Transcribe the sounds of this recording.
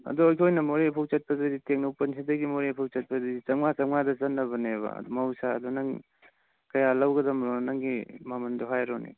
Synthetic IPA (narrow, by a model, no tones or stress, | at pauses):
ɐ̰duojkʰojnɐmoɾepʰowk̚t͡ʃɐt̚pɐdɾɐditeŋnɐwpɐnsʰidɐɡimoɾepʰuk̚t͡ʃɐt̚pɐdɾɐdit͡ʃɐŋŋat͡ʃɐŋŋadɐt͡ʃɐnːɐbɐneβɐ̰ɐ̰dumɐwsa̰ːdunɐŋ | kɐjalɐwɡɐdɐmɾɔnɐŋɡimamɐndoɦajɾonḭ